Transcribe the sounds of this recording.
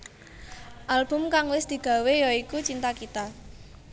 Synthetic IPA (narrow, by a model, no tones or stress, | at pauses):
ʔalb̥ʊ̤mkaŋwɪsd̪̥i̤ɡ̥ä̤wejɔikut͡ʃint̪akit̪a